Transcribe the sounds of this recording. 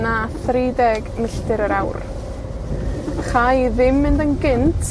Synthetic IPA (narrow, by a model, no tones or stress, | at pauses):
naθredɛɡmɪɬtɨɾəɾawr | χajðɪmːɪndənɡɪntʰ